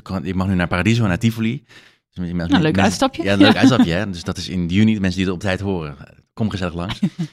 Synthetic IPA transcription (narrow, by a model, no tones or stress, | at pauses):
kɪk̚mɑχnynaːɹpaːradizonaːtifoli | mɪsmløːkɛœtstɑpjəjanløːkœtstɑpjəɛdøsdɑtɪsɪndəjynidmɛnsəndiətərɔp̚tɛjtɦoːrə | kɔməχəzɛləχlɑŋs